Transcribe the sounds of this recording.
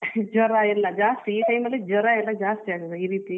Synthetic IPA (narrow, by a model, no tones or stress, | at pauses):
d͡ʒɔɾailːɐd͡ʒaːst̪iiːʈɐjmɐlːid͡ʒɔɾailːɐd͡ʒaːst̪iaːɡ̪d̪eiːɾiːt̪i